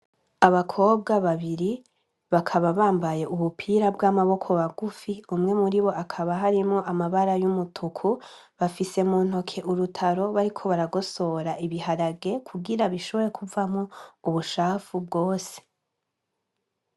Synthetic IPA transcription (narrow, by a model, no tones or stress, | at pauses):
aβakʰo̞ːb̚ɡaβaβiɾi | βakʰaβaβaːmbaje̞ʔuβupʰiːɾabɡaːmaβo̞kʰo̞βaɡufiumŋe̞muɾiβo̞ʔakʰaβaɦaɾimŋo̞ʔamaβaɾajumutʰukʰu | βafise̞muːn̥o̞kʰe̞ʔuɾutʰaɾo̞βaɾikʰo̞βaɾaɡo̞so̞ɾaʔiβihaɾaɡe̞kʰuɡiɾaβiʃo̞βo̞ɾekʰuvamŋouβuʃaːfubɡo̞ːse̥